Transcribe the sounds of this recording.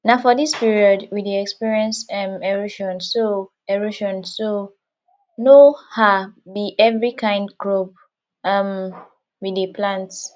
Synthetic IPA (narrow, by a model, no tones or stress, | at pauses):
naʊfɔdispiɹiɔdwideɛkspiɹiɛ̃nsɛ̃mɛɹuʃɔ̃nso | ɛɹuʃɔ̃nso | nohabiʔɛvɹikʰãɪ̃ndɡɹob̚ | am | wideplãnt